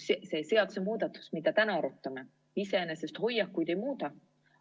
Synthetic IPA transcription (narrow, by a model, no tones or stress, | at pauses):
ssejseɑt̪semuːd̪̥ɑt̪ːˑu̥smid̪̥æt̪ænɑɑɾut̪ːˑɑme | iseenesest̪ho̞jːɑkːujd̪̥e̞jmuːt̪ɑ